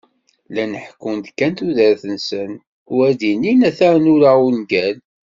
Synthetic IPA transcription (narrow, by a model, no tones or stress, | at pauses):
lænəħkːʊnd̪kːænt̪uðəɾθənsən | ʊæd̪inːinæθæɾnuɾaunɡæl